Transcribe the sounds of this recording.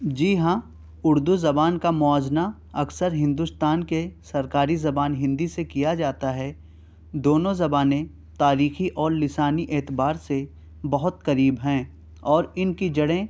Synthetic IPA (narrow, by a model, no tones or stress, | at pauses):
d͡ʒiːɦãː | ʊɾd̪uzɐbaːnkamʊaːzna | ɐksəɾɦɪ̃nd̪ust̪aːnkesɐɾkaːɾizɐbaːnɦɪ̃nd̪isekijad͡ʒaːt̪aɦɛ | d̪oːnõzɐbaːnẽ | t̪aːɾiːxiʔɔːɾlɪsaːniʔeːt̪ɪbaːɾse | bɐɦʊt̪kɐɾiːbɦɛ̃ː | ɔːɾɪnkid͡ʒɐɽẽ